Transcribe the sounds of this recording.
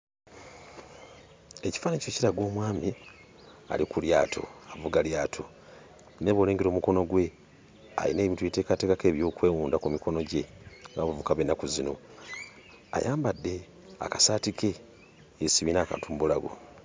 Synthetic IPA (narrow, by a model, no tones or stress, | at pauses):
eci̥faːnecociɾaɡo̞ːmwaːmi | a̰likuljaːtʰo̰avuɡaljaːtʰo | ne̞βoleːŋɡeɾoːmuko̞no̞ɡwe̞ | a̰jḭne̞ːβintwueteːkate̞ːkake̞ːβjo̞ːkwe̞ːwuːndakumiko̞no̞ɟe̞ | ŋɡaβavukaβenːakuzino̞̰ | a̰jaːmbadːe̞ | a̰kasaːtikʰe̞ | esiβinaːka̰ːntʰumuβulaɡo̰